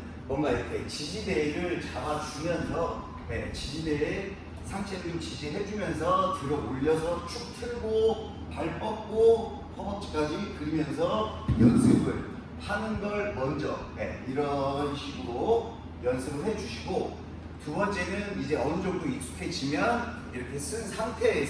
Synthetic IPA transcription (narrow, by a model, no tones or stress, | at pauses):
mwʌnɡaikʰe̞t͡ɕid͡ʑide̞ɾɯɭt͡ɕabat͡ɕumjʌnsʰʌ | ne̞̰t͡ɕid͡ʑide | sʰaŋt͡ɕ͈ʰedɾot͡ɕid͡ʑiɦe̞d͡ʑumjʌnsʰʌt͡ɕɯɾʌɡoʎːʌsʰʌt͡ɕʰuk̚tʰɯɭɡo | paɭp͈ʌp̚k͈o | hʰʌbʌt͡ɕ͈i̥k͈ad͡ʑikɯɾimjʌnsʰʌ | jʌnsʰɯbɯɭ | hʰanɯnɡʌɭmʌnd͡ʑʌ̰ne̞̰iɾʌnɕʰiɡɯɾo | jʌnsʰɯɡɯɭhe̞d͡ʑuɕʰiɡo | tubʌnt͡ɕ͈e̞nɯnid͡ʑe̞ʌnɯd͡ʑʌk̚t͈ois͈u̥kʰe̞t͡ɕʰimjʌn | iɾʌkʰe̞s͈ɯnsʰaŋtʰe̞ː